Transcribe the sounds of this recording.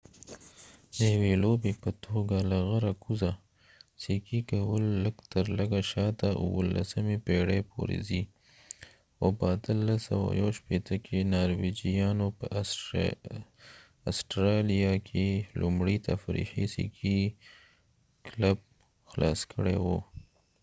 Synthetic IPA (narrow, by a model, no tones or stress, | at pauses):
d̪əjawelobepət̪ʰoɡalaɣəɾakuza | sikikawəlːəɡt̪əɾləɡaʃɑt̪aʔṵwə̰la̰səmepeɽepʰo̰ɾḛzi | xopəat̪əlːasa̰wa̰jawʃpet̪əkʰenɑɾwed͡ʒijɑnopə | asʈɾɑlijakʰelʔumɽit̪ʰafɾḭxisḭkʰi | klab̚ | xlʔɑ̰skʰəɽewo